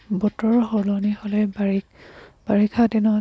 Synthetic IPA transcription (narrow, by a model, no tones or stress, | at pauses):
bɔtɔɹɦɔlɔnihɔlɛbaɹi | b̥aɹikʰadinɔ